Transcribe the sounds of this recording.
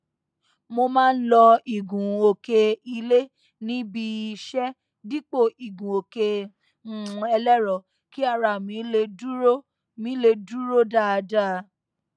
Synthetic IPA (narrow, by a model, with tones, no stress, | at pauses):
mo˧mãː˦n̩˦lɔ˧i˨ɡũ˨o˨ke˧i˧le˦ | nĩ˦bi˧ʃɛ˦ | di˦k͡po˦˨i˨ɡũ˨o˨ke˧˦˨ | ɛ˧lɛ˦ɾɔ˨ | ki˦a˦˧ɾa˨mĩ˧˦le˧du˦o˦ | mĩ˨˦le˧du˦ɾo˦da˦˧da˦˨˧